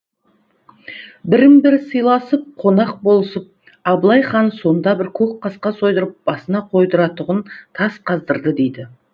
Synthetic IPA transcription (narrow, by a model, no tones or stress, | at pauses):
bɪɾɪmbɪɾsəjlˠɑsəp̚qʰo̞nɑq̚bo̞lˠəsəp̚ | ɑblˠɑjχɑnso̞nd̪ɑbɪɾkʲʰɵk̚qʰɑsqɑso̞jd̪əɾəp̚b̥ɑsənɑqʰo̞jd̪əɾɑt̪ʊʁənt̪ʰɑsqʰɑzd̪əɾd̪əd̪e̞jd̪ɪ